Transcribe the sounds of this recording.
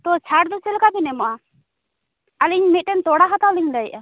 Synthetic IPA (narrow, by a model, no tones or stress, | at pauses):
t̪ɔt͡ʃʰaɽd̪ɔsɛlkabɛnɛmɔʔa | aliɲmit̪̚ˀʈɛnt̪ɔɽaɦat̪awliɲdajʔa